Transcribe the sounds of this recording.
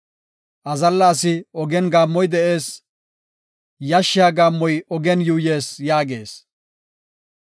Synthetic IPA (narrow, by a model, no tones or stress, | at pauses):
ʔɐzɐlːaːsɪɔɡɛnɡaːmːɔjd̪ɛʔe̞ːs | jɐʃːɪjaːɡaːmːɔjɔɡɛnjuːje̞ːsjaːɡe̞̰ːs